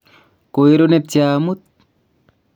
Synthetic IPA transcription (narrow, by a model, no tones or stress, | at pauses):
kojɾonep̚t͡ɕjaːmut̪̚